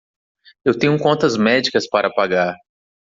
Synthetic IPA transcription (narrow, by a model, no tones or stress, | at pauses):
ewt̪ẽɲʊkõnt̪ɐzmɛd͡ʒikɐspaɾʔɐpaɡaɾ